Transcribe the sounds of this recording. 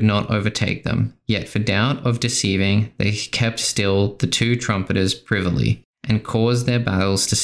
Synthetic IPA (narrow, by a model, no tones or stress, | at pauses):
dⁿnəɾo̰ʊvə˞tʰeɪk̚ðə̰̃mjɛtfə˞daʊɾʌvdɨsivɪ̃ŋðḛɪkʰɛp̚tstɪlˠðɨtʰʉtʰɹ̥ʌ̃mpɨɾə˞z̥pʰɹ̥ɪvəl̩ˠḭ | ʔɨ̃nkʰɔzðə˞bæɾl̩ˠz̥tʰɨs